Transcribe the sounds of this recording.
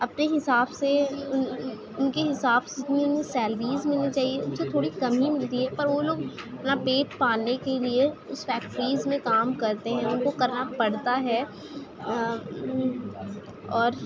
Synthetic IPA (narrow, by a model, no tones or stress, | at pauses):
ɐpneɦɪsaːbseʊn | ʊnkeɦɪsaːbsɪt̪niʊnẽsɛːlʋiːzmɪlnit͡ʃaːɦieʊnset̪ʰoːɽikɐmɦimɪlt̪iɦɛpɐɾʋoloːɡ | napeːʈ̚paːnekelieʊsfɛːk̚ʈəɾiːzmẽkaːmkɐɾt̪eɦɛ̃ʊnkokɐɾnapɐɽt̪aɦɛː | ɔːɾ